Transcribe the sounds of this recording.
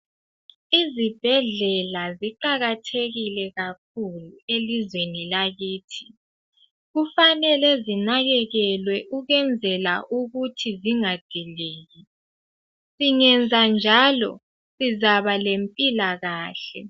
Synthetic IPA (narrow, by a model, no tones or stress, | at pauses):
izib̥ʱɛɮɛlaziǃaɣatʰeɣilɛɣak̚ʰuluelizwenilaɣiːtʰi̥ | ɣufanɛlɛzinaɣɛɣɛlwɛʔuɣɛnd͡zʱɛla̰ʔuɣutʰiziŋad̥ʱiliːɣi | siŋɛnd͡zʱand͡ʒʱalɔ̰ | sizaβalempʼilaɣaːɬɛ